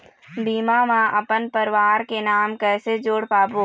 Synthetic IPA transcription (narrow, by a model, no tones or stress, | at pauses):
biːmaːmãʔɐpənpəɾɪʋaːɾkenaːmkɛːsed͡ʒoːɽpaːpoː